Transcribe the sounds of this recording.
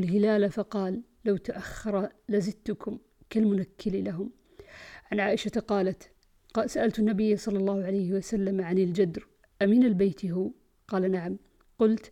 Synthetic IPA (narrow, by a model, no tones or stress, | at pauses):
lɦɪlaːlafɑqɑːlːawt̪aʔaxːɑɾˤɑlazɪt̪ːʊkʰʊm | kalmʊnakʰːɪlilaɦʊm | ʕanʕaːʔɪʃaqɑːlat̪ | saʔalt̪anːabɪjːasˤɑlːɑlˤːɑːhʊʕalajhɪwasalːamʕanɪld͡ʒad̪ɾ | ʔamiːnalbeːt̪ɦuː | qɑːlanaʕam | qʊlt̪